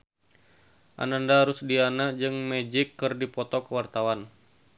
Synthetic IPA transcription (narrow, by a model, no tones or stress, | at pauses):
ʔa̰nandaɾʊsdianad͡ʒɨŋmɛd͡ʒɪkːɨrdipɔt̪ɔkəwart̪awan